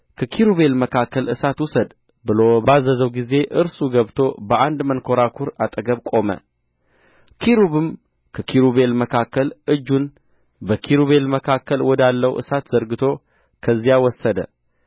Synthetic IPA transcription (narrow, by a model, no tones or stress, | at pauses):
kʰəkʰiɾuβe̞lməkʰakːəlɨsat̪wusəd̪ | bɨlo̞bazːəzəwɡize̞ʔɨɾsuɡəβt̪ʰo̞bəʔand̪mənkʰo̞ɾakʰuɾat̪ʼəɡəβkʼo̞mə̰ | kʰiɾuβɨm | kʰəkʰiɾuβe̞lməkʰakːəlɨd͡ʒːun | bəkʰiɾuβe̞lməkʰakʰːəlwɔd̪alːəwʔɨ̰sat̪z̥əɾɡɨt̪ʰo̞ | kʰəzːijawɔsːəd̪ə̰